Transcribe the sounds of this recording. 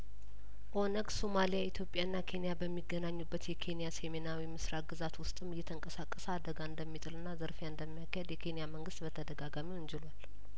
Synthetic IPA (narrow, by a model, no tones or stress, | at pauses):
ʔo̞nəɡsomalijait̪ʰjo̞pʼːjaɨnːakʰe̞nijabəmːiɡːənaɲːubːət̪jɛkʰe̞nijasemenawimɨsɾat̪̚ɡɨzat̪wʊst̪ʼɨmːɨjːɛt̪ʰəŋkʼəsakʼːəsəad̪əɡaɨnd̪əmːit̪ʼɨlɨnːazəɾfjaɨnd̪əmːijakʰːahɛd̪jɛkʰe̞nijaməŋɡɨst̪bət̪ʰəd̪əɡaɡamiwʊɲd͡ʒɪlwal